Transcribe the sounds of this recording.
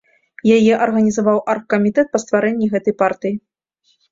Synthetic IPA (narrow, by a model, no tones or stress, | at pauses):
jajɛʔɐrɣɐnʲizavawʔarkːɐmʲit̪ɛt̪̚pɐst̪vaɾɛnʲːiɣɛt̪ɐjpart̪ɨji